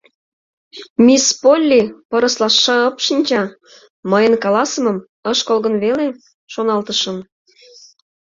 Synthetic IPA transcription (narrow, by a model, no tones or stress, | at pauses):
mispolʲːipəɾə̆slɑʃːɑəpʃinʲt͡ɕɑ | məjənkɑlɑsəmɤ̆m | əʃkolɣə̆nβele | ʃonɑlt̪əʃə̆m